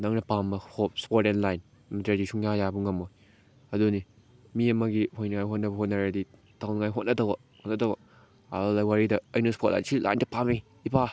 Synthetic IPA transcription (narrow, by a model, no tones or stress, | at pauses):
naŋnɐpambɐhop̚spoɾtenlajn | mɐtɾedisʰuŋjajabuŋɐmoj | ɐduni | miɐmɐɡihojnɐŋajɦot̚nɐbɐɦot̚nɐɾadi | tawnŋajɦot̚nɐdɐwɐ | hot̚nɐdɐwɐ | lajwaɾidɐːjnɐspʰot̚la̰jnsilʔa̰jndɐpami | ipa